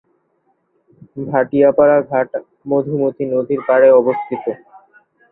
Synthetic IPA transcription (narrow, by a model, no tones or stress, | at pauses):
bʱaʈijapaɾaɡʱaʈ | mod̪ʱimot̪inod̪ʱiɾpaɾeɔbost̪ʰit̪o